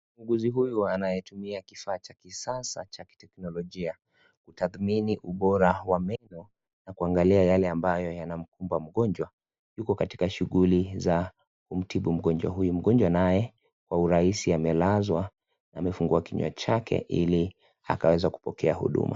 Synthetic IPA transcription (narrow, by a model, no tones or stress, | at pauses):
uŋɡuziɦujuanajɛtumiakifaːt͡ʃakisasa̰t͡ʃaki̥tɛknɔlɔʄia | kutaθminiʔuɓɔɾawamɛnɔ | nakuaŋɡaliajalɛambajɔjanam̩kumbam̩ɠɔnd͡ʒwa | jukɔkati̥kaʃuɣuliza | kum̩tiɓum̩ɠɔnd͡ʒwa̰ɦujum̩ɠɔnd͡ʒwanajɛ | kwauɾaisiamɛlazwa | naːmɛfuŋɡuakiɲwa̰t͡ʃakʰɛ̰ʔḭli | a̰kawɛzaku̥pɔkɛahṵɗṵmʔa̰